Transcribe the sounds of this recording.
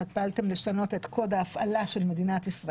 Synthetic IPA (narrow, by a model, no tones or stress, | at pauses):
it̪̚paaltemliʃtano̞tet̪kʰo̞daːfʔalaʃe̞lme̞dinatisʁ